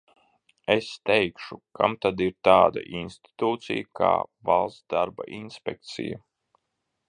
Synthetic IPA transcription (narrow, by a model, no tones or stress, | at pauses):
est̪ɛjkʃukʰa̰mt̪ad̪iɾt̪aːd̪a̰ʔinst̪i̥t̪uːt̪sḭjaka̰ːvalˠsd̪aɾba̰ʔinspʲɛk̚t̪sḭja̰